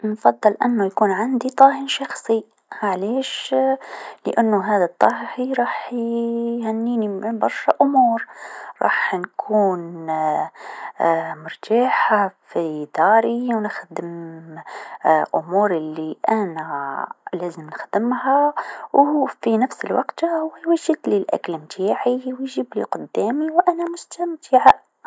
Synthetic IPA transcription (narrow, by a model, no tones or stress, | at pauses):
nfɑd̪ˤːɨlʔa̰nːʊjakuːnʕand̪it̪ˤɑːhənʃɑxsˤi | ʕleːʃ | ləʔanːʊɦaːðat̪ˤːɑːɦhiɾˤɑːħjhænːiːnimɪbɑɾˤʃaʔʊmuːɾɾˤʔɑ̰ːħnkʰuːn | mʊɾt̪ʰaːħafid̪ɑːɾiwnəxd̪əm | ʔʊmuːɾəlːiʔænælæzəmnəxd̪əmhawfinəfsəlwɑqt̪hʊwjwæʒəd̪lilʔæ̰klmt̪ʰaːʕiwjʒiːblḭqʊd̪ːæmiwʔænæmʊst̪æmt̪ʰiʕa